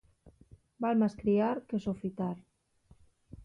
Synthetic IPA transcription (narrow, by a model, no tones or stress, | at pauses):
balmaskɾiaɾkesofit̪aɾ